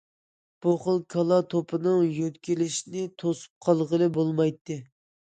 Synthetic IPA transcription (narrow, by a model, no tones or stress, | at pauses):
b̥uχəlˠkʰɑlˠɑt̪ʰopʰɨnɨŋjøt̪kʲilɪʃnɪt̪ʰosu̥p̚qʰɑlˠʁəlˠɨbolˠmɑjt̪ːɨ